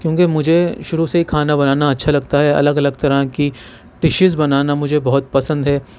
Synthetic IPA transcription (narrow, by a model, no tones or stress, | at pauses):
kjõːkemʊd͡ʒʱeʃʊɾuseɦikʰaːnabɐnaːnaɐtːʃʰalɐɡt̪aɦɛɐ̰ləɡɐləɡ̚t̪ɐɾaki | ʈɪʃɪzbɐnaːnamʊd͡ʒʱebɔɦʊt̪̚pɐsə̃nd̪ɦɛː